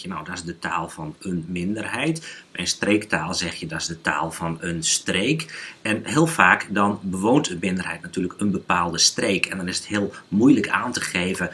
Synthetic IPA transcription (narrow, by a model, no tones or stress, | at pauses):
jənawdɔɪsdətʰa̰ːlˠfɔnənmɪndərhɛjtmɛjnstreːktaːlˠzɛxjədɔɪzdətʰa̰ːlˠfɔnənstreːkɛnhɪəlˠfaːkdɔnbəʋoːntəmɪndərɦɛjtnatyːləkənbəpaːlˠdəstreːkʰɛndɔnɪsəthɪəlˠmujləkʰaːntəxeːvə